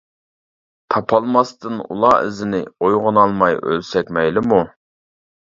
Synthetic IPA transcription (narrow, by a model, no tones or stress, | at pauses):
t̪ʰɑpʰɑlˠmɑst̪ɨnṵlˠɑːɪ̰zɪnɪ̰ojʁʊnɑlˠmɑjø̰lsɛkʲmɛjlɪmu